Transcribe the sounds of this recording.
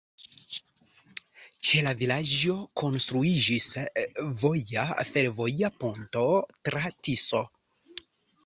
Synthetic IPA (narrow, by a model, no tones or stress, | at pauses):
t͡ʃe̞lavilad͡ʒo̞kʰo̞nst̪ɾuid͡ʒisvo̞jafe̞ɾvo̞japo̞nto̞tɾatiso̞